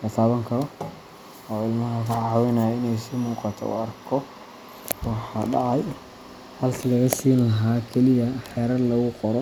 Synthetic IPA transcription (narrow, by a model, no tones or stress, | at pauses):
lɐt̪ʰaːβɐŋkʰɐɾɔ | ɔːɪlmɐɦɐkʰɐʕɑːwɪnɐjɪnɛjsɪmuːqɑt̪ʰɔ̰ʊ̰ɐrkʰɔ | wɑħɑɖɑʕɑj | hɐlkʰɐlɐɣɐsiːnlɐɦaːkʰɛlɪjɐħɛːɾɐd̪lɐɣʊqɔɾɔ